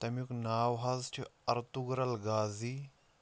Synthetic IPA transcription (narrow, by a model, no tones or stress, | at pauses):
t̪ɐmjuknaːwɦazt͡ʃʰuɐɾt̪uɡɾɐlɡaːzi